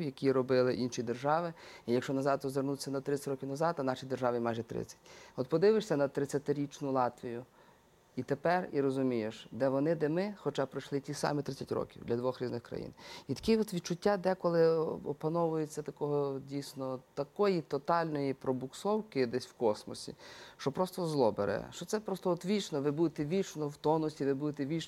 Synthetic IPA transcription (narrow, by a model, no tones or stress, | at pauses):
jɐkʲiɾɔbɪlˠɪʔinʃid̪erʒɑʋɪijɐkʃt͡ʃɔnɐzɑd̪ɔzʋernut̪ʲsʲɐnɐt̪ɾɪt͡sʲːɐtʲɾɔkʲiwnɐzɑd̪ɐnɑʃid̪erʒɑʋʲimɑjʒɛt̪ɾɪ̰t͡sʲːɐ̥tʲɔt̪pɔd̪ɪʋɪʃsʲɐnɐt̪ɾɪt͡sʲːɐt̪ɪɾʲit͡ʃnʊlˠɑt̪ʋʲijʊ | it̪epɛriɾɔzʊmʲijeʃd̪ɛʋɔnɪd̪ɛmɪxɔt͡ʃɑpɾɪʃlˠɪtʲisɑ̰mit̪ɾɪt͡sʲɐtʲɾɔ̰kʲiwd̪lʲɐd̪ʋɔxɾʲiznɪxkɾɐ̰jḭnit̪ɐ̥kʲɪɔt̪ʋʲid̪t͡ʃʊtʲːad̪ɛkɔlˠɪɔpɐnɔʋʊjet͡sʲːɐt̪ɐkɔɦɔdʲijsʲnɔt̪ɐkɔjit̪ɔt̪ɑlʲnɔjipɾɔbʊksɔwkɪd̪ɛsʲwkɔsmɔ̰sʲḭʃt͡ʃɔpɾɔst̪ɔzlˠɔbḛɾʔɛ̰ʃt͡ʃɔt̪sɛpɾɔst̪ɔɔt̪ʋʲit͡ʃnɔʋɪbud̪et̪ɛʋʲit͡ʃnɔwt̪ɔnɔsʲiʋɪbud̪ɪt̪ɛʋʲit͡ʃ